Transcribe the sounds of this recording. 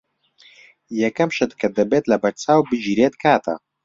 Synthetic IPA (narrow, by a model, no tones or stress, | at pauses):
jɐkɐmʃɐt̪kʰɐd̪ɐbeːt̪lɐbɐɾt͡saːwbɨd͡ʒiɾeːt̪̚kʰaːt̪ʰɐ̰